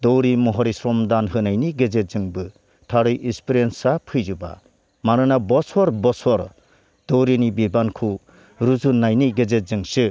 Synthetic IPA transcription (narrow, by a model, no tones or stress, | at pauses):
dɔwɾimɔɦɔɾisɾɔmdanɦɯnajniɡezet̚zɯŋbɯ | tʰaɾɯjʔinspiɾensapʰɯjzuba̰ | maɾɯnabɔsɔɾbɔsɔɾ | d̥ɔwɾinibibankʰu | ɾuzunːajniɡezet̚zɯŋsɯ